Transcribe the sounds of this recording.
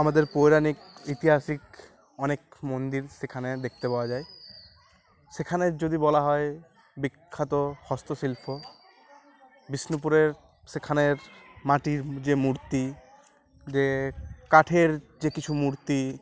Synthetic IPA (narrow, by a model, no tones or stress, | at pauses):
amad̪eɾpojɾanikit̪iɦasik | ɔnekmond̪iɾsekʰaned̪ekʰt̪epaoad͡ʑae | sekʰaned͡ʑod̪ibɔlaɦɔe | bikʰːat̪ohɔst̪osilpʰo | bisnop̬uɾeɾ | sekʰaneɾmaʈiɾd͡ʑemuɾt̪i | d͡ʑekaʈʰeɾ | d͡ʑekit͡ɕʰumuɾt̪i